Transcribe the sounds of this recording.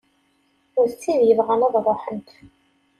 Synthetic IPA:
ʊɾθt͡sːiðjəvʁænæðrˤoħənt̪

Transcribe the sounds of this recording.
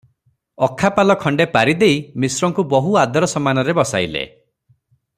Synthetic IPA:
ɔkʰːapalɔkʰɔɳɖepaɾid̪eimisɾɔŋkubɔɦuad̪ɔɾɔsɔmanɔɾebɔsajlḛ

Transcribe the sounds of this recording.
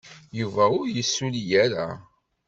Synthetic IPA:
juvæʊɾjəsːuljæɾa̰

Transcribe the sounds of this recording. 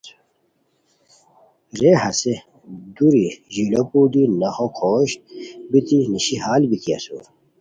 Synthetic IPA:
ɾeːhɐse | d̪uɾiʑilopuːd̪inɐxokʰoːɕbit̪iniɕiɦaːlbit̪iɐ̰so̰ːɾ

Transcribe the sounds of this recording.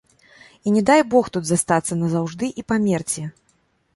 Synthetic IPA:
inʲɛd̪ajbɔxt̪ud̪zast̪at̪sːɐnɐzawʐd̪ɨʔipamʲɛrt͡sʲɛ

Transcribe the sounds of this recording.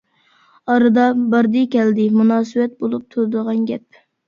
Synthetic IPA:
ɑɾɨd̪ɑbɑɾd̪ɨkʲɛld̪ɪmunɑːsɨwɛt̪̚bolˠup̚t̪ʰuɾɨd̪əʁɑnɡʲɛp̚

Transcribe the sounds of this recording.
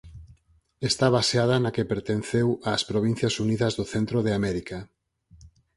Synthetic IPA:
est̪aβaseað̞ɐnakepeɾt̪enθewaːspɾoβ̞in̟θjɐsuniðɐzðoθent̪ɾoðeamɛɾika

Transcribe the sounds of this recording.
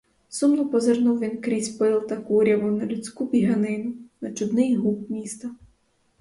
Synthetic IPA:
sumnɔpɔzernuwʋʲinkɾʲisʲpɪlˠt̪ɐkuɾʲjɐʋʊwnɐlʲʊt͡sʲkupʲiɦɐnɪnʊnɐt͡ʃʊd̪nɪjɦupmʲist̪ɐ

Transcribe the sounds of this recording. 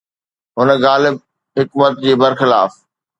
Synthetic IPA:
ɦʊnəɣaːlɪb̚ | ɦɪkmət̪d͡ʑeːbɐɾxɪlaːf

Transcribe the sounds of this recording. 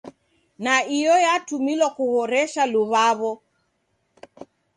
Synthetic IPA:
naijɔjatumilwakuɣɔɾɛʃaluβaβɔ

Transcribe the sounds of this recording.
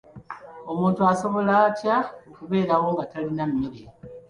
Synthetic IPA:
o̞muːntuaso̞βo̞lacaokuβe̞ːɾawo̞ŋɡatalinamːiɾe

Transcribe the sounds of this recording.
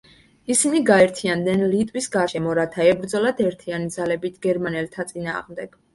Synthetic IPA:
isiniɡaɛɾt̪ʰiand̪nɛnlit̪ʼwisɡaɾʃɛmɔɾat̪ʰaɛbɾd̪zɔlad̪ɛɾt̪ʰianid̪zalɛbit̪ʰɡ̥ɛɾmanɛlt̪ʰat̪sʼina̰ːʁmd̪ɛɡ̥

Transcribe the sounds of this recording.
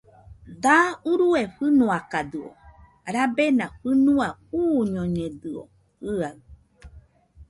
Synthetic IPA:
d̪auɾueɸɨnũakad̪ɨo̰ | ɾabenãɸɨnũauːɲõɲẽd̪ɨo̰ | ɨa

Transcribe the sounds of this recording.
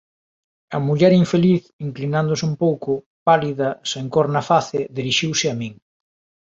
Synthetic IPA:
ɐmuʎɛɾiɱfeliθiŋklinand̪ʊsumpowkʊ | paliðɐseŋkoɾnɐfaθɪðiɾiʃiwsɪɐmĩŋ

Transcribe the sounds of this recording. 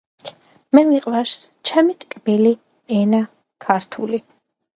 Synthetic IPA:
mɛviqʼwaɾst͡ʃʰɛmit̪ʼkʼbili | ɛna | kʰaɾt̪ʰuli

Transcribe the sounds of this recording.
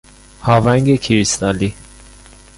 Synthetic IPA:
havaŋɡekʰiɾist̪ali

